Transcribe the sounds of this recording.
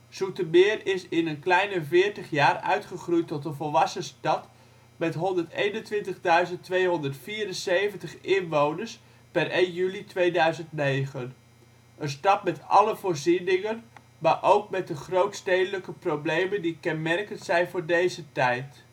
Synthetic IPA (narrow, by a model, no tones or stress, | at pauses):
z̥utəmɪːrɪsɪnənklɛjnəvɪːɹtəχjaːrœ̰ɥtχəχrujtɔtənvɔlˠʋɑsəstɑt | mɛtɦɔndəɹtejnəntʋɪntəχdœɥzəntʋejɦɔndəɹtfiːrənsejvəntəχɪnʋownəɹs | pɛrʔejnjylitʋejdœɥzəntnejχən | ənstɑtmɛtɑ̰ləvʊːɹzinɪŋən | maːʔowk̚mɛt̚dəχrowtstejdələkəprowblejməndikɛnmɛrkənsɛjnvʊːɹdejzətɛjt